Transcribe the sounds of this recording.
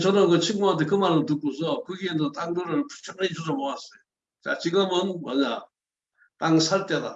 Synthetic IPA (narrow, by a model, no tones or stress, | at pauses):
t͡ɕʌnɯnkɯt͡ɕʰɯŋmuɦant̪ʰekɯmaɾɯt̬uk͈osʰʌkɯɡiendʌt͈aŋduɾɯɭpʰu̥t͡ɕʰʌŋnit͡ɕusomoas͈ʌjo | t͡ɕa̰t͡ɕiɡɯmɯnmʌ̰ɲa | t͈aŋsʰaɭt͈eda